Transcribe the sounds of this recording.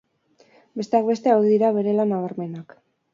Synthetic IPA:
be̞st̪e̞ak̚be̞st̪e̞awðiðiɾaβe̞ɾe̞lanaβaɾme̞nak

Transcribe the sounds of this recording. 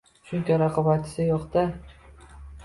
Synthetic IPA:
ʃʊŋkʲaɾaqʰɒbaɪ̥sɪjɒqt̪a

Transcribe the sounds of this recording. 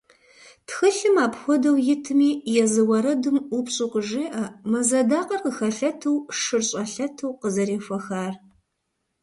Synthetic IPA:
txɨɬɨmaːpxʷɔdɐwjɪtʰɨmiːjɛzɨwɐɾɐdɨmupɕʼɪqʊʒeːʔɐmɐzɐdaːqɐrqəxɐɬɐtʰɐwʂɨrɕʼɐɬɐtʰɨwqəzɐɾeːfɐxaːr

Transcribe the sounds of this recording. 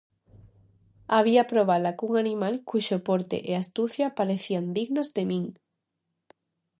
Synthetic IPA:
aβ̞iapɾoβ̞alakuŋanĩmalkuʃopoɾt̪ḛʔeast̪uθjapaɾeθiand̪iɣnozd̪emĩŋ

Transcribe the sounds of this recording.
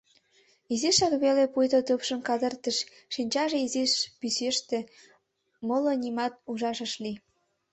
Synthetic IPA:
iziʃɑkβelepujt̪ot̪əpʃə̆mkɑd̪ərt̪əʃ | ʃinʲt͡ɕɑʒeiziʃpyseʃt̪ĕ | molonimɑt̪̚uʒɑʃə̆ʃli

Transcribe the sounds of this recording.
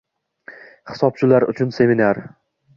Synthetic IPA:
χɪ̥sɒp̚t͡ʃʰɪlaɾʊ̰t͡ʃʰʊnse̞mɪnaɾ

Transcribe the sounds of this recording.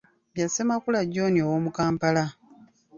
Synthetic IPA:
bjasemakulaɟoniowoːmukaːmpala

